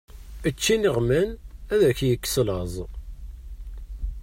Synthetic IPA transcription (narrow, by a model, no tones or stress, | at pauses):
ət͡ʃːiniʁmænæðæçjəkːslɑzˤ